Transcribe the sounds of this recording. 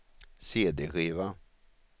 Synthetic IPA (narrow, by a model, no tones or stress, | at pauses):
seːd̪eɧiːva